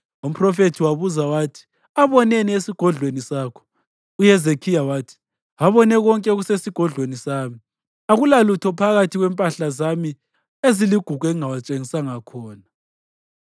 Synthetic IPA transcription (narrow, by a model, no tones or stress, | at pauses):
um̩pʰrɔfetʰiwaβuzawaːtʰi̥ | aβɔneniesiɡ̥ʱɔɮwenisaːkʰɔ̥ | ujɛzekʰijawaːtʰi̥ | aβɔnɛɣɔŋkʼɛɣusesiɡ̥ʱɔɮwenisaːmi | aɣulalutʰɔpʰaɣatʰiɣwɛmpʼaɬazami | eziliɡ̥ʱuɡ̥ʱweŋawat͡ʃʼeŋisaŋakʰɔːna